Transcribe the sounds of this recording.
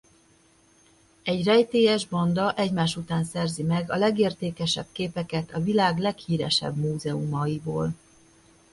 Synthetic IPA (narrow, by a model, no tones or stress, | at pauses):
ɛɟrɛjt̪eːjɛʒbond̪ɒʔɛɟmaːʃut̪aːnsɛrzimɛɡɒlɛɡeːrt̪eːkɛʃɛ̰b̚keːpɛkɛt̪ʰɒvilaːɡlɛkhiːɾɛ̰ʃɛ̰bmuːzɛumɒjiboːl